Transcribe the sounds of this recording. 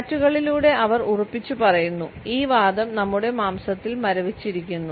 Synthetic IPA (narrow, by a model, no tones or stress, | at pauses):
tːuɣɐɭiluːɽe̞ʔɐʋɐrurɐpːit͡ɕːupɐrɐjunːuiːʋaːd̪ɐmnɐmːuɽe̞maːmsɐt̪ːilmɐɾɐʋit͡ɕːiɾikʲːunːu